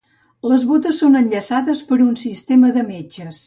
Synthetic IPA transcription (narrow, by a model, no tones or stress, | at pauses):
ləzβot̪əsːonənʎəsaðəspəɾunsist̪eməðəmed͡ʒəs